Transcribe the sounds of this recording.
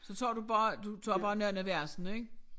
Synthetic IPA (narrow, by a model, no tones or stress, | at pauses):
sɒ̽t͡sʰɒ̰ːdub̥ɑ̈ːd̥ut͡sʰɒ̰ːb̥ɑ̈ːnæɐnæʋæɐ̰sn̩eɡ̥